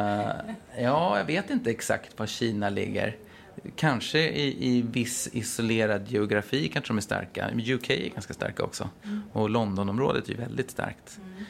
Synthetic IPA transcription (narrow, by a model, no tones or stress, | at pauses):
jɑːjɑveːt̪ɪnt̪əɛksa̰kt̪vaɕiːnalɪ̰ɡːə̰ɾ | kʰanʂəʔɪʔɪvɪsɪsʊleːɾad̪jɛʊɡɾafiːkʰanʂəd̪ɔmæst̪a̰ɾka̰ɛjʉkʰɛjæ̰ɡanskast̪a̰ɾkaɔ̰ksɔ̰ɔlɔnd̪ɔnɔmɾoːd̪ət̪ʰæjʉ̰vɛld̪ɪt̪st̪a̰ɾkt̪